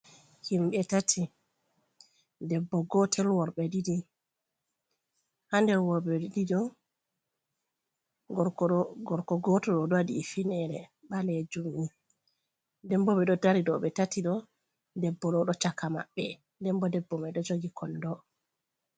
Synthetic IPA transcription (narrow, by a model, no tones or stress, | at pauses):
himɓɛtatʰi | dɛbːɔɡɔtʰɛlwɔɾɓɛdidi | handɛwɔbɛididɔ | ɡɔɾkɔɡɔtɔɗɔɗɔadiːfinɛɾɛ̰ɓalɛd͡ʒumi | dɛmbɔɓɛɗɔdaɾiɗɔɓɛtatiɗɔ | dɛbːɔlɔɗɔt͡ʃakama̰ɓːɛ | dɛmbɔdɛbːɔmɛɗɔd͡ʒoɡikʰɔndɔ